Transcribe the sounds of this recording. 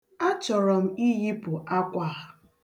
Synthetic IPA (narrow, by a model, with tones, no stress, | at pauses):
a˦t͡ʃɔ˨ɾɔ˨m̩˦i˦ɦi˦pʊ˨a˦kʷa˦˨a˨